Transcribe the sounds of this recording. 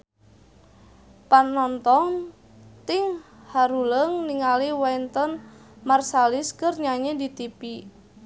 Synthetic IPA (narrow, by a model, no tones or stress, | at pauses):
panːɔnt̪ɔŋ | t̪ɪŋ | haɾuləŋniŋaliwɛnt̪ɔn | marsalɪskərɲaɲedit̪ipi